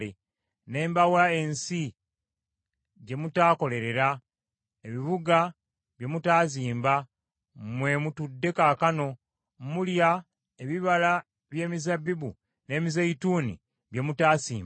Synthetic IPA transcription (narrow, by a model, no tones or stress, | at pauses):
e | ne̞ːmbawae̞nsi | ɟe̞mutaːko̞le̞ɾe̞ɾa | e̞βiβuɡa | βje̞mutaːziːmba | mwe̞mutudːe̞kaːkano̞ | mulja | eβiβala | βje̞ːmizabibu | ne̞ːmizaituːnḭ | βje̞mutaːsiːm